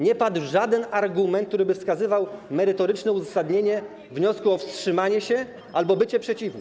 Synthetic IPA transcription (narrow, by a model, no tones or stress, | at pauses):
ɲɛpad̪wʐad̪ɛnaɾɡumɛnt̪k̚t̪uɾɘbɘfskazɘvawmɛɾɘt̪ɔɾɘt͡ʂnɛuzasad̪ɲeɲɛ | vɲɔskuɔfstʂɘmaɲɛɕɛ | ʔalbɔbɘt͡ɕɛpʂɛt͡ɕivnɛ